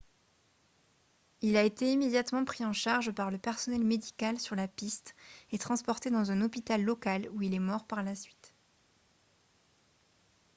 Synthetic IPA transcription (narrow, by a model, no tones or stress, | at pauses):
ilaet̪eimed̪jat̪mɑ̃pχiɑ̃ʃaʁʒpaʁləpɛʁsɔnɛlmed̪ikalsyʁlapist̪et̪χɑ̃spɔʁt̪ed̪ɑ̃zɛ̃nɔpit̪alːɔkaluilɛmɔʁpaʁlasɥit̪